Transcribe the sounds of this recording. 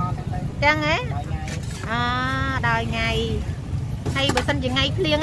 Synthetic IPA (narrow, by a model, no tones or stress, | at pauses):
t͡ɕəŋeː | ʔəːɗaɔjŋaj | həjɓɑːsənt͡ɕiəŋajpʰliəŋ